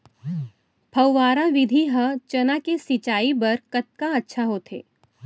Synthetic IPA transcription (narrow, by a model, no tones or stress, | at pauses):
pʰɐwːaːɾaʋɪd̪ʱiɦɐt͡ʃɐnakesɪt͡ʃaːibɐɾkɐt̪̚kaɐtːʃʰaɦoːt̪ʰḛː